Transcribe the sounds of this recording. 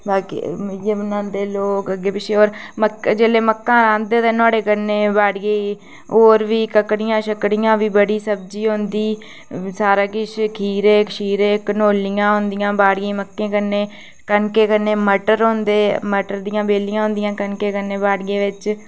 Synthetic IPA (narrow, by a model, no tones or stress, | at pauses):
baːkḭjeːbənãːnd̪eːloːkəɡeːpɪʃʰeːoːɾməkd͡ʒeːleːməkːãːɾãːnd̪eːt̪ẽːnaːɽeːkəneːbaːɖɡəiː | oːɾʋiːkəkɽɪjãːʃəkɽɪjãːʋiːbəɽiːsəb̚d͡ʒiːɦʊnd̪iː | saːɾãːkɪʃkʰiːɾeːkʃiːɾeːkənoːlɪjãːɦʊnd̪ɪjãːbaːɽɡəiːməkːẽːkəneː | kənkeːkəneːməʈəɾɦõnd̪eːməʈəɾd̪ɪjãːbeːlɪjãːɦʊ̃nd̪ɪjãːkənkeːkənːeːbaːɖɡeːʋɪt͡ʃ